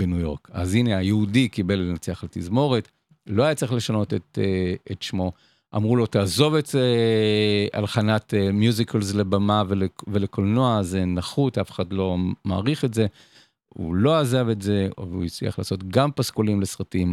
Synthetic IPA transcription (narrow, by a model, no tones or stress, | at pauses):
benujo̞ʁkazine̞ajeudikibelːenat͡seaχletizmo̞ʁet | loajatt͡siχle̞ʃano̞teteetʃmo̞ | ʔa̰mʁulo̞taːzo̞vetze | a̰lχanatemjuzikʰalzlebamavelevelekolnoazenaχutafeχadlo̞ma̰ːʁiχetze̞ | ṵlo̞azave̞tze̞vuit͡slḭa̰χla̰ːso̞tɡampaskolimle̞sʁatim